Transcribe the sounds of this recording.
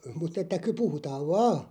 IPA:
mut etːæ ky puhutɑːʋ ʋɑː

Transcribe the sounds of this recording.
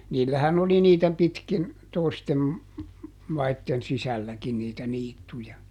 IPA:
niːlːæhæn oli niːtæ pitkin toistem mɑitːen sisælːækin niːtæ niːtːujɑ

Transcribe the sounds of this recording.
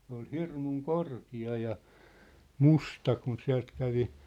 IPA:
sĕ ol hirmuŋ korkiɑ jɑ mustɑ kun siæ̝lt kæʋi

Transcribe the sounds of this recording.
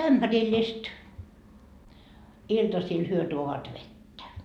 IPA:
æmb̥ærilːist iltɑsil hyø tuoʋɑt ʋetːæ

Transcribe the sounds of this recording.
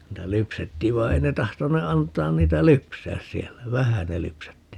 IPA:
niːtæ lypsetːiːʋ ʋɑi̯ ei ne tɑhtone ɑntɑːn niːtæ lypsæːs siɛlːæ ʋæhæ ne lypsætːi

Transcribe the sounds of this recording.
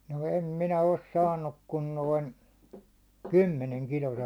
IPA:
no em minæ os sɑːnːuk kun noin kymːeneŋ kilose

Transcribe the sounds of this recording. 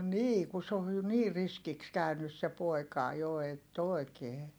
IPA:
niː ku se oj jo niːr̆ riskiks kæynys se poˑi̯kɑˑ jo etː oˑi̯keː

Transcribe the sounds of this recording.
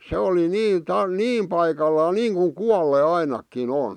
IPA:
se oli niː tɑ niːm pɑikɑlːɑː niːŋkuŋ kuɑlːe ɑinɑkːin on

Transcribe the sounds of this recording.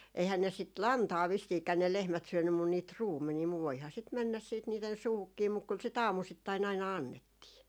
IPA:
eihæn ne sit lɑntɑː ʋisːiːkæ ne lehmæt syønːym mun niːt ruːmːeniː muʋ ʋoihɑ sit mɛnːæs siːt niːten̞ suːhukːiː muk kyl sit ɑːmusitːɑin ɑinɑ ɑnːetːiː

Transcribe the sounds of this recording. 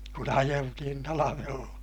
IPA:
kun ɑjeltihin tɑlɑʋelːɑ

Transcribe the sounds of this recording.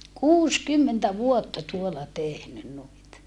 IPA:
kuːskymːentæ ʋuotːɑ tuolɑ tehnyn nuit

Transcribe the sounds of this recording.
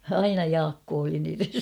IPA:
ɑinɑ jɑːkːoː oli niːren̞

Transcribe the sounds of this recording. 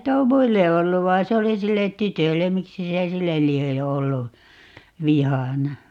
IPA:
tuo muilːe olːu ʋɑin̞ se oli silːet̆ tytølːem miksi se silːel lie olːu ʋihɑnɑ

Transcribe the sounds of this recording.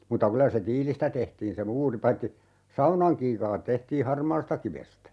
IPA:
mutːɑ kylæ se tiːlistæ tehtiːn se muːri pɑitːi sɑunɑŋ kiːkɑːt tehtiː hɑrmɑːstɑkiʋestæ

